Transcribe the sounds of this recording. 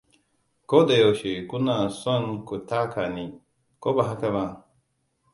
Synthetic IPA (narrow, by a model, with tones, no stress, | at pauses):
ko˦d̪a˨jo˨ʃe˨ku˦na˨sɔ˦nku˨ta˦kʰa˨ni˨ | ko˦ba˨ɦa˦ka˦βa˨